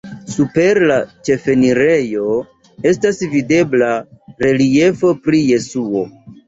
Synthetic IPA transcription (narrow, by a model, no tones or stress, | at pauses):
supe̞ɾlat͡ʃe̞fe̞niɾe̞jo̞ | e̞stasvide̞blaɾe̞lie̞fo̞pɾije̞suo̞